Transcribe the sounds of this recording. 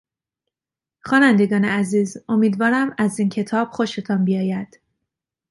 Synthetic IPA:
xɒːnænd̪e̞ɡɒːneæziːzo̞miːd̪vɒːɾæmæziːncʰe̞t̪ʰɒːb̥xo̞ʃe̞t̪ʰɒnbijɒːjæd̪̥

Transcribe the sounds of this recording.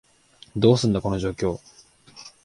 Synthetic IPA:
d̪o̞ːsɨ̃nd̪ako̞no̞ʑo̞ːkʲo̞ː

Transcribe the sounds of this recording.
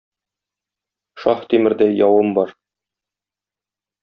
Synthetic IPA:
ʃɑχt̪imɘ̆ɾd̪æjɒwɤmbɒɾ

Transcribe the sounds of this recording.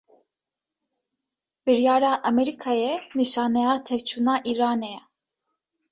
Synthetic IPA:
bəɾjɑːɾaʔəmɛɾikʰajɛnɨʃɑːnɛat̪ʰɛkt͡ʃʰunaʔiɾaːnɛ

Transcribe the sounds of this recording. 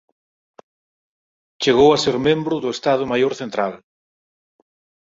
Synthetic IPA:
t͡ʃeɣowaseɾmẽmbɾʊðʊest̪að̞ʊmajoɾθent̪ɾal

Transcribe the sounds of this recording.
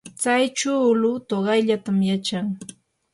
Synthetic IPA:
t͡sajt͡ʃuːlʊt̪oɢɑjʎat̪amjat͡ʃaŋ

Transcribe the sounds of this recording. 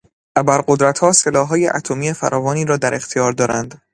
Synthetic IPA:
ʔæbæɾɢo̞d̪ɾæt̪hɒːse̞lɒːhɦɒːjḛʔæ̰t̪ʰo̞miːefæ̰ɾʔɒːvɒːniːɾɒːd̪æɾʔe̞xt̪ʰijɒːɾd̪ɒːɾæ̰nd̪

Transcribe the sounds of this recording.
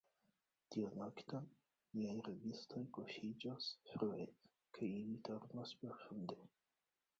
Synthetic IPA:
t̪ionakt̪an | niajɾevist̪ojkoʃid͡ʒasfɾue | kʰajilit̪ʰoɾnaspeɾfund̪e

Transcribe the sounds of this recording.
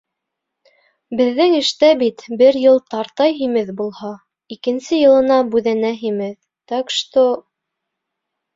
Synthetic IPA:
bɘ̆ðːɘŋɘ̆ʃt̪æbit̪bɘɾjɤlˠt̪ɑɾt̪ɑjɦimɘðbulˠhɑ | ikɘ̆nsɘjɤ̆lˠɤ̆nɑbʉðænæɦimɘð | t̪ækʃt̪o

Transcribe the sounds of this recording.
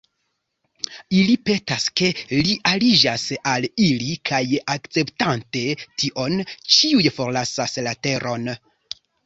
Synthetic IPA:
ilipe̞taske̞liʔalid͡ʒasalilikʰajakt͡se̞ptante̞tʰiʔo̞nt͡ʃiujfo̞ɾlasaslate̞ɾʔo̞n

